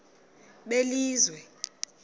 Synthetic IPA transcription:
ɓeliːzwɛ

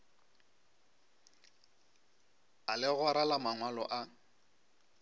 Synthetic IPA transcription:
alɪɣʊɾalamaŋwalɔ̰ʔa

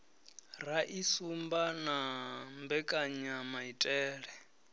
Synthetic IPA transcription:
raʔisumbanambɛkʼaɲamaitʼɛːɺɛ

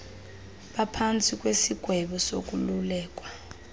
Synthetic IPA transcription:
ɓapʰant͡sʼik̬ʼwesiɡ̥ʱwɛɓɔsok̬ʼululɛːk̬ʼwa

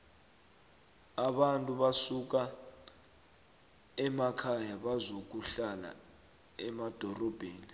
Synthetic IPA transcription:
aɓantʼuɓasuk̬a | ɛmakʰajaɓazok̬uɬala̰ | ɛmad̥ʱɔrɔb̥ʱeːni

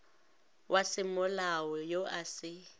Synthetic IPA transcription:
wʔasɪmʊlawɔjoʔasɪ

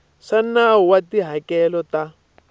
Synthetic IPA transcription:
ʂanauwatiɦakɛlɔta

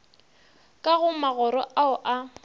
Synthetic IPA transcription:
kʼaɣʊmaɣɔɾɔʔaʊʔa

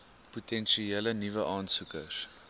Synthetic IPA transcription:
putʰɛnʃielənivəʔɑːnsukə̰s

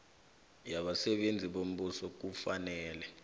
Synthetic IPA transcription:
jaɓasɛɓend͡zʱiɓom̩ɓusɔk̬ufanɛːlɛ

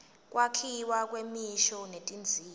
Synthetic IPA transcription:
kʼwʔakʰiwak̬ʼwemiʃɔnetʼind͡zʱiː

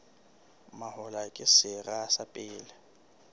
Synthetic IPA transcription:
mahʊlakʼɪsɪrasapʼɪːlɪ

